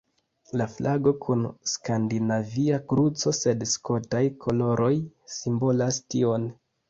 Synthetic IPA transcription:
laflʔaɡo̞kʰunskandinaviakɾut͡so̞se̞dsko̞tajkʰo̞lo̞ɾʔo̞jsimbo̞lastio̞n

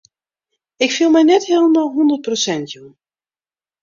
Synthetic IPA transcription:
ɪkfilˠmɛjnɛtheːlˠmalˠɦɔndərt̚prosɛntʰjum

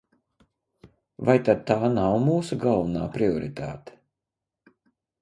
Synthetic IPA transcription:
vajt̪ad̪̚t̪aːnawmuːsuɡalˠvuna̰ːpɾiɔɾit̪a̰ːt̪e̥

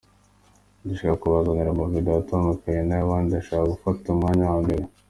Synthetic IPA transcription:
duʃikakuβazaɲeɾamovideatomɡokaɲenaβaːndiaʃaːkaɡufatumŋaːɲawambeɾe

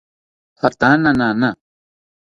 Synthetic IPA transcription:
fɐɾt̪ãːnanaːna

